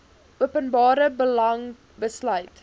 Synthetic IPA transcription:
uəpənbɑːɾəbəlɐŋ | bəslœɥt

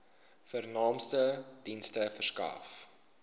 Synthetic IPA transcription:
fərnɑːmstəd̥instəfərskɑ̰ːf

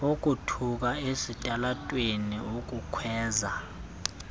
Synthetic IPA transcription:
ok̬ʼutʰuk̬aesitʼalatʼweniok̬ʼukʰwɛːza

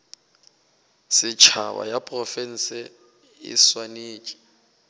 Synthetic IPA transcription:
sɪt͡ʃʰawa̰japʼrɔfɛn̩sɛ | ɪ̰swaneːt͡ʃʼi̥

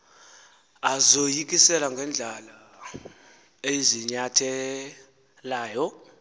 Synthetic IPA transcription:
azojikʼisɛlaŋɡʱɛnd͡ɮʱala | eiziɲatʰɛ | laːjɔ

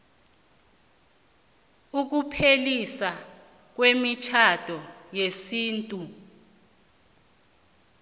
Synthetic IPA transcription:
uk̬upʰelisa | k̬wemit͡ʃʰatʰʼɔjesiːntʼu

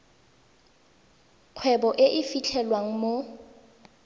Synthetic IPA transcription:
q͡χʰwɛbɔʔɪʔɪfit͡ɬʰɛlwaŋ̩mo

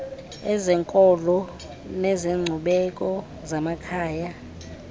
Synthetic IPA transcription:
ɛzɛŋkʼɔlɔ | nɛzeŋ͡ǀʱuɓɛkʼɔ | zamakʰaːja

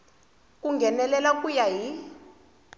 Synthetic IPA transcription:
k̬ʼuŋɡʱɛnɛlɛlak̬ʼujaɦi

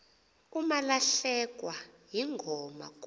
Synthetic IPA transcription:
umalaɬɛk̬ʼwajiŋʱɔma̰k

